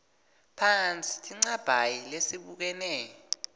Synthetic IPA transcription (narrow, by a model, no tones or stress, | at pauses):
pʰant͡sʼi̥tʰʼiŋ͡ǀab̥ʱajilesiɓuk̬ɛnɛːjɔ